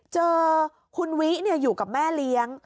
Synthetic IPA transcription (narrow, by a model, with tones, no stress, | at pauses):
t͡ɕɤː˧ | kʰu˧nwi˦˥ʔni˥˩əjuː˨˩ka˨˩p̚mɛː˥˩li˦˥əŋ